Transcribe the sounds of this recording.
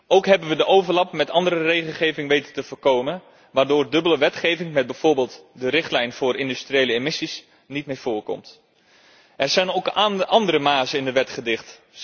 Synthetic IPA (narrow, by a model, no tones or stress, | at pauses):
owkɦɛbənʋədəʔowvəɹlɑp̚mɛtɑndəɾərejχəlˠχejvɪŋʋejtətəvəːɹkowmən | ʋaːɹdʊːrdɵbələʋɛtχejvɪŋmɛd̚bɛjv̥ʊːɹbeːlˠtdərɪχtlɛjnv̥ʊːɾɪndystriejləemɪsis | nit̚mejv̥ʊːɹkɔ̰mt | ʔɛɹzɛjnowkʔɑndəɾəmaːzəɪndəʋɛtχədɪχt